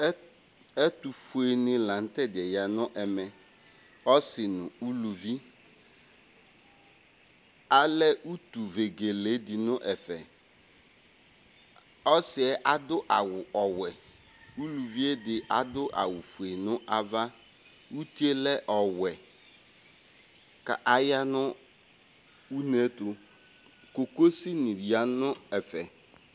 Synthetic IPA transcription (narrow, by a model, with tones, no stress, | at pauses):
ɛ˦t̪u˨fu˨e˨nɪ̃˦lã˨n̩˦t̪ɛ˦dɪ˨ɛ˨ja˨nʊ̃˦ʔɛ˨mɛ̃˨ | ɔ˦sɪ˨nʊ̃˨u˦lu˨vi˦ | a˨lɛ˦ʔu˦t̪u˨ve˨ɡe˨le˨˦dɪ˨nʊ̃˦ʔɛ˨fɛ˨ | ɔ˦sɪ˨ɛ˦ʔa˨dʊ˦ʔa˨wʊ˨ʔɔ˨wɛ˨ | u˦lu˨vi˦e˦dɪ˨ʔa˨dʊ˦ʔa̰˨wʊ˨fu˨e˨nʊ̃˦ʔa˦va˦ | u˦ti˦e˦lɛ˦ʔɔ˨wɛ˨ | ka˨ʔa˨ja˦nʊ̃˦ | u˦ne˦t̪ʊ˨ | ko˨ko˦si˦nĩ˨ɾi˨a˨˦nʊ̃˦ɛ˨fɛ˨